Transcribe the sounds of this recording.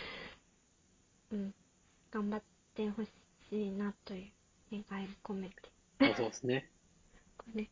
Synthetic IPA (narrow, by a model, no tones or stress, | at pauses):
ɯ̃ | ɡ̥ãmbat̪ː | eɦo̞ɕ | ɕiːnat̪ojɯ | ekaiɾɯkomet̪e̥ | soːsɨne | kone